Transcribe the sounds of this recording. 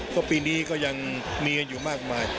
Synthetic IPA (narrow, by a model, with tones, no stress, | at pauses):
kɔː˥˩piː˧niː˦˥kɔː˥˩ja˧ŋmiː˧ŋ˧njuː˨˩maː˥˩k̚maː˧j